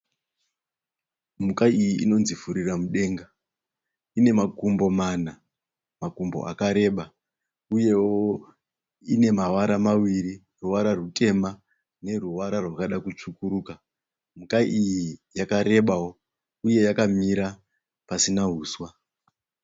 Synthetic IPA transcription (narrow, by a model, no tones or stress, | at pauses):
mukaijiʔino̞nzifuɾiramuɗe̞ŋɡa | ine̞makumbo̞mana | makumbo̞̰ʔa̰kaɾe̞ɓa | uje̞wo | ine̞mawaɾamawiɾi | ruwaɾaruke̞ma | ne̞ruwaɾarwakaɗakut͡ʂukuɾuka | mukaʔijijakaɾe̞ɓawo | uje̞jakamiɾa | pasinaɦuːswa